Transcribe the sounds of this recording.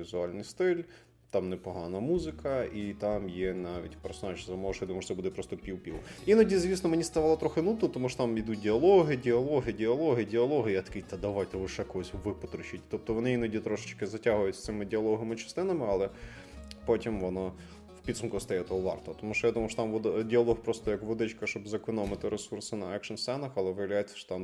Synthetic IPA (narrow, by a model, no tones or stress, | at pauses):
izʊɑlʲnɪjst̪ɪlʲ | t̪ɑmnɛpɔɦɑnɐmuzɪkʰɐit̪ɑmjɛnɑʋʲḭtʲpɛɾsɔnɑʒizɐmɔʃjd̪umɔʒt̪sɛbud̪ɛpɾɔst̪ɔpʲiwpʲiwʊinɔdʲizʲʋʲisnɔmenʲist̪ɐʋɑlˠɐt̪ɾɔxɪnut̪nɔt̪ɔmuʃɔ̥t̪ɑmid̪ut̚ʲdʲɪɐlˠɔɦɪdʲɪɐlˠɔɦɪdʲɪɐlˠɔɦɪdʲɪɐlˠɔɦɪjat̪ɐ̥kit̪ɐd̪ɐʋajt̪ɛʋɪʃɛkɔɦɔsʲʋɪpɔt̪ɾʊt͡ʃit̚ʲt̪ɔp̚t̪ɔʋɔnɪinɔdʲit̪ɾɔʃɪ̥t͡ʃkɪzɐtʲaɦʊjʊtʲst̪sɪmɪdʲɪɐlˠɔɦɐmɪt͡ʃɐ̥st̪ɪnɐmɪɐlˠɛ | pɔtʲimʋɔna | wpʲid̪sumkɐst̪ɐjɛt̪ɔɔʋɑ̰rt̪ɔt̪ɔmuʃt͡ʃɔjad̪umɐjʃt͡ʃɔt̪amʋɔd̪dʲɪɐlˠɔhpɾɔst̪ɔjɐkʋɔd̪ɪt͡ʃkɐʃt͡ʃɔbzɐkɔnɔmɪt̪ɪɾesursɪnɐɛkʃɐnst̪ɛnɐxɐlˠɛʋɪjɐʋlʲajɛt͡sʲːɐ̥ʃɔ̥t̪am